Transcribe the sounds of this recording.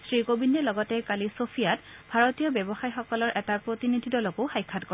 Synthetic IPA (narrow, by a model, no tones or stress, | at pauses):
sɹikobinːɛlɔɡɔtɛkalisopʰijatbʱaɹotijɔbjɛbɔxajxɔkɔlɔɹʔɛtapɹotinidʱidɔlɔkʊxajkʰːatkɔ